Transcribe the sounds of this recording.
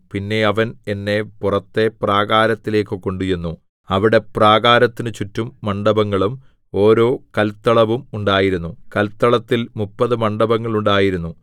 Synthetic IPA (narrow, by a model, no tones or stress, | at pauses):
pinːe̞ɐʋɐne̞nːe̞purɐt̪ːe̞praːɣaːɾɐt̪ːile̞ːkːɨkoɳɖujunːu | ɐʋiɽe̞praːɣaːɾɐt̪ːinɨt͡ɕutːumːɐɳɖɐbɐŋːɐɭum | o̞ːɾo̞ːkɐlt̪ːɐɭɐʋumuɳɖaːjiɾunːukɐlt̪ːɐɭɐt̪ːilmupːɐðɨmɐɳɖɐbɐŋːɐɭuɳɖaːjiɾunːu